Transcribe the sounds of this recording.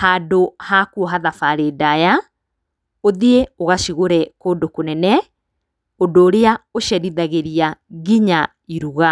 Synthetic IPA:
hadohakuɔɦaðafaɾedaja | oðieoɣaʃiɣoɾɛkoːdokonɛnɛ | ondoːɾeaoʃɛɾiðaɣeɾiaɣiɲa | iɾuɣa

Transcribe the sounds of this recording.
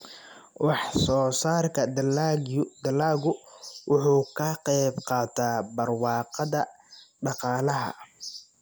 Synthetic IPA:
wɑħsɔːsaːrkʰɐ | d̪ɐlaːɣʊwʔʊħuːkʰɐqɛjbqɑːt̪ʰaːbɐrwɑːqɑðɐ | ɖɑqɑːlɐɦɐ̰

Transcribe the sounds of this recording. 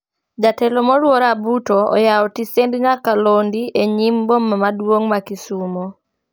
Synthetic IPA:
d͡ʒatɛlɔmɔɾwoɾabutoɔ̰jaɔtisendɲakalondiʔeɲimbomːamadwoŋmakisumo

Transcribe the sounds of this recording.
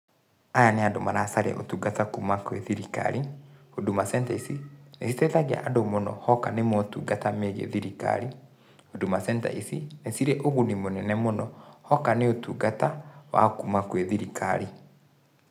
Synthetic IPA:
ajaneadomaɾasaɾɛ̰ʔo̰tuɡatakumakweðiɾika̰ɾihodumasɛntaisinesitɛðaɣea̰ʔadomonɔ̰hɔkanemotṵːɡatameɣḛðiɾika̰ɾi | hodumasɛnta̰ʔisinesiɾɛʔoɣunimonɛnɛmonɔhɔkaneotuːɡatawa̰kumakweðiɾika̰ɾi

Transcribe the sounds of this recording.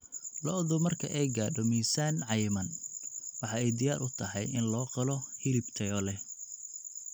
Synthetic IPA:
lɔʔðʊmɐrkʰɐʔɛjɡaːɖɔmiːsaːnʕɑjmɐnwɑħɑɛjd̪ɪjaːlʔʊt̪ʰɐhɑjʔɪnlɔːqɑlɔhɪlɪbt̪ʰɐjɔlɛ

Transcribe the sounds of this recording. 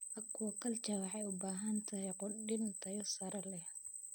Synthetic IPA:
ʔɐkʰːʊwɐkʰɐlt͡ʃɐwɑħɛjʊbaːɦɐnt̪ʰɐɦɛjqʊɖɪnt̪ʰɐjɔsɐɾɐlɛh

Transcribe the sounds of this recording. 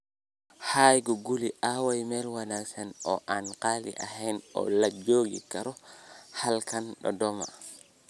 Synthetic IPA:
haːjɡɔɡuliʔawajmɛːlwanaksanɔ̰ʔanqaːlḭʔa̰ɦɛnɔ̰lad͡ʒoːɡḭkaɾɔhalkanɗɔ̰dɔma̰

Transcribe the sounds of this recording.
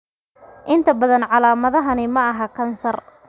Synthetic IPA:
ʔɪnt̪ʰɐbɐðɐnʕɑlaːmɐðɐɦɐnɪmɐɐɦɐkʰɐnsɐr

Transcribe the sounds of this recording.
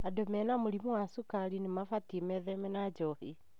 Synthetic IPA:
adomɛnamoɾimuwasukaɾinemafatimɛðɛmɛnad͡ʒɔhi

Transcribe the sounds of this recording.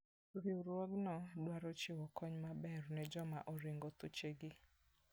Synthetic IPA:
ɾiɾwɔɡnɔdwaɾɔt͡ʃɪwɔkɔɲmabɛrnɛd͡ʒɔmaʔɔɾɪŋɡɔt̪ʊt͡ʃeɡɪ

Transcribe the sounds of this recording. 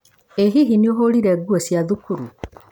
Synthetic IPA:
eɦiɦinioɦoɾiɾeɡuosjaðukuɾu

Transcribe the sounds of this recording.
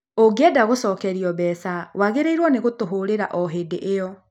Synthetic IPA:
oɡɛdaɣosɔːkɛɾiɔβɛsawaɣeɾeiɾwɔneɣotoɦoɾeɾaʔɔɦeːdeʔejɔ

